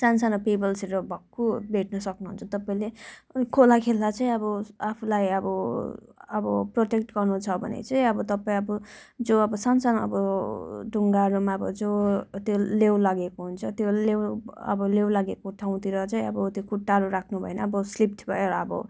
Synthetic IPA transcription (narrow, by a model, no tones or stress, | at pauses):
sansanopebʌlseɾʌbʱʌkːubʱeʈ̚nʌsʌknuɦṵnt͡sʰʌt̪ʌpaĩlekʰolakʰelːat͡saĩʌbʌapʰulajʌbʌ | ʌbʌproʈek̚ʈɡʌrnut͡sʰʌbʱʌ̰nḛt͡saĩʌbʌt̪ʌpaĩʌbʌ | d͡zoʌbʌsansanʌ̰bʌɖʱuŋɡaɾumaʌbʌ̰d͡zot̪jolewlaɡekoɦunt͡sʰʌt̪jolewʌ̰bʌlewlaɡekoʈʰaw̃t̪iɾʌt͡saĩʌbʌt̪jokuʈːaɾuɾakʰnubʱʌ̰enʌʌbʌslip̚t̪ʰbʱʌ̰jeɾʌʌbʌ̰